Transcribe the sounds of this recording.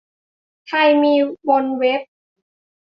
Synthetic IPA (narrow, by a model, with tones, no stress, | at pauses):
t̪ʰa˧jmiː˧bo˧nwe˦˥p̚